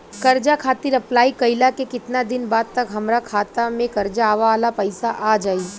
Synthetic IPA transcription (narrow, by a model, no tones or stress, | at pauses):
kɐɾd͡ʒakʰaːt̪iɾɐplaːikɐɪlakekɪt̪nad̪ɪnbaːd̪̚t̪ɐkɦɐmɾakʰaːt̪amẽkɐɾd͡ʒaːʋaːlapɐɪsaʔaːd͡ʒaːiː